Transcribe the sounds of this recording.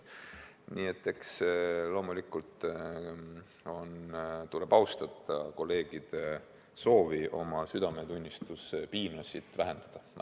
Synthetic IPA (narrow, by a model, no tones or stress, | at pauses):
nʔiet̪ːˑe̞kslo̞ːmulikːult̪ | o̞nt̪ule̞b̥ɑwst̪ɑt̪ːˑɑko̞lːe̞ːɡ̥id̪̥e | so̞ːviʔo̞̰mɑsyd̪ɑme̞t̪unʲːist̪uspiːnosit̪væɦend̪̥ɑd̪̥ɑ